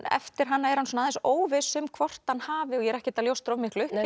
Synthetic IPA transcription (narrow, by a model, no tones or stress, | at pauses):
ɛ̰ft̪ɪɾ̥ɦanːaɛɾhansɔnaːðɛnsoːwvɪsʏmkʰvɔr̥t̪hanːhaːvɪɔjɛɾɛhcɪt̪aljowst̪ɾovmihklʏh